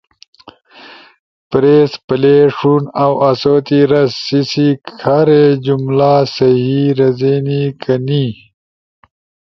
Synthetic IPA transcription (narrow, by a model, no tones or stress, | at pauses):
pɾeːspɐleːʂunawʔɐsoːt̪iɾɐsːisikkʰaɾed͡ʑumlaːsɐɦiːɾɐzeːnikʰɐni